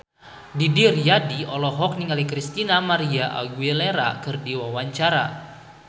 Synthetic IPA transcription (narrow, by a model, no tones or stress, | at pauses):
didiriadiɔlɔɦɔk̚niŋalikɾist̪inamaɾiaʔa̰ɡueleɾa̰kɨrdiwawaɲt͡ʃaɾa